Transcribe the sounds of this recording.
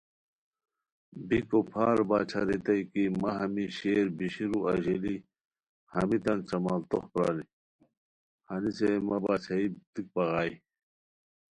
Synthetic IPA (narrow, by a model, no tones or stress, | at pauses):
bikopʰaːɾbaːt͡ɕʰɐɾet̪ɐjkimɐɦɐmiɕeːɾbiɕiɾuɐʑeli | hɐmit̪ɐnt͡ɕɐmaːlt̪oxpɾa̰ɾi | hɐnisemɐbaːt͡ɕʰɐit̪ik̚pɐɣaːi